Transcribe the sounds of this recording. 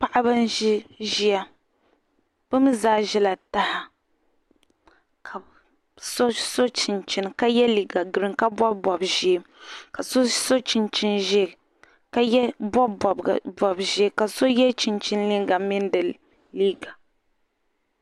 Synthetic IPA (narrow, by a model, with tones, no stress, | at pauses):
pa˦ʔa˦bɨ˦n˦i˦ʒi˦a˦ | b̥ɨ˦mɨ˦zaː˦ʒɛ˦la˨ta˦ha˨ | kʰa˨ | so˦so˦t͡ʃi˨nt͡ʃi˦n˨ka˦jɛ˦liː˨ɡa˨ɡɨ˨ɾɨ˨ŋka˦bɔ˦bɔ˨bʒi˦e˦ka˨so˦so˦t͡ʃi˨nt͡ʃi˦nʒɛ˦˨ | ka˦jɛ˦bɔ˦bɔ˨b̰bɔ˨bʒi˦e˦ka˨so˦jɛ˦t͡ʃi˨nt͡ʃi˦n˦li˦ŋɡa˨mɪ˦n˦dɨ˨ | liː˦ɡa˨